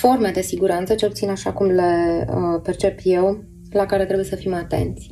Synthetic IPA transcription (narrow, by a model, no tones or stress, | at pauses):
fo̞rme̞d̪e̞siɡuɾant̪sət͡ʃe̞lput̪inaʃakumle̞əpe̞rt͡ʃe̞pjew | lakaɾe̞t̪ɾe̞buje̞səfimat̪e̞̰nt̪sʲ